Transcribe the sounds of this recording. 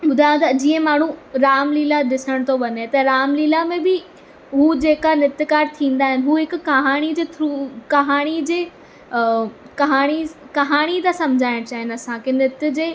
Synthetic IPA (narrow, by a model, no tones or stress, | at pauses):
ɓʊd̪ʱaːjõt̪ɐd͡ʑiːə̃maːɳ̤ũɾaːmliːlaɗɪsəɽ̃t̪ʰoʋɐnet̪ɐɾaːmliːlamẽbɪ | ɦuːd͡ʑeːkanɪt̪ɪkaːɾt̪ʰĩːn̆d̪aːɦɪnɪ̆ɦuɦɪkkɐɦaːɽ̃id͡ʑeːt̪ʰɾukɐɦaːɽ̃id͡ʑeː | kɐɦaːɽ̃i | kɐɦaːɽ̃it̪asɐmd͡ʑʱaːɪɽ̃t͡ɕaːɦɪnɐsãkenɪt̪ɪ̆d͡ʑeː